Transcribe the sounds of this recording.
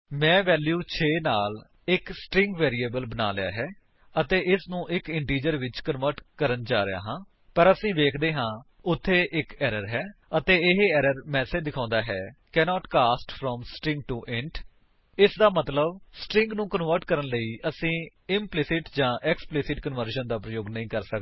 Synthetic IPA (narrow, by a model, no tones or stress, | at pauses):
mɛ̃ːʋɛːljuːt͡ʃʰeːnaːl | ɪksʈɾɪ̃ŋɡʋɛːɾiːeːbəlbəna̰ːlɪja̰ːɦɛː | ət̪eːʔɪsnũːʔɪkɪɳʈiːd͡ʒəɾʋɪt͡ʃkənʋəɾʈkəɾənd͡ʒaːɾɪja̰ːɦãː | pəɾəsĩːʋeːkʰd̪eːɦãː | ʊt̪ʰːeːʔɪkɛːɾəɾɦɛːət̪eːɪɦɛːɾəɾmɛːseːd̪ɪkʰãːnd̪aːɦɛːkɛːnɔːʈkaːsʈfʰɾɔːmsʈɾɪ̃ŋɡ̚ʈuːʔɪ̃ɳʈ | ɪsd̪aːmət̪ləbsʈɾɪ̃ŋɡnũːkənʋəɾʈkəɾənləiːʔəsĩː | ɪmplɪsɪʈd͡ʒãːʔɛksplɪsɪʈkənʋəɾʃənd̪aːpɾəjoːɡnəĩːkəɾsəkː